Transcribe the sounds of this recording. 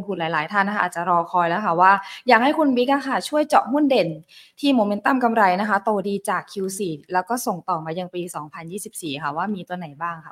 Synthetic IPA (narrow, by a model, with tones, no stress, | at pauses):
pʰu˨˩laː˨˦jlaː˩˦jt̪ʰa˦˥˩nːa˥ka˦˥ʔːt̪̚t͡ɕa˨˩ɾɔː˧kʰɔː˧jlɛ˦˥wkʰa˥˩waː˥˩jaː˨˩k̚ha˥˩jkʰu˧nwi˦˥k̚a˧˥˩kʰa˧˩t͡ɕʰu˥˩əjt͡ɕɔ̰˨˩hu˥˩˨nde˨˩nt̪ʰiː˥˩moː˧me˧˦˥nt̪a˥˩mka˧mɾa˧jna˦˥kʰa˦˥t̪oː˧˩diː˧t͡ɕaː˨˩kʰːi˧wsiː˨˩lɛː˦˥wkɔː˥˩so˨˩ŋt̪ɔː˨˩maː˧ja˧ŋpiː˧sɔː˩˦ŋpʰa˧njiː˥˩si˨˩p̚siː˨˩kʰa˧˥˩waː˥˩miː˧t̪u˧ɐna˨˩˦jbaː˥˩ŋkʰa˦˩